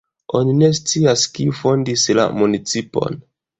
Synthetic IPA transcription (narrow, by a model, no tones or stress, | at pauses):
ʔo̞nine̞s̬t͡siaskifo̞ndisla̰munit͡sipo̞̰n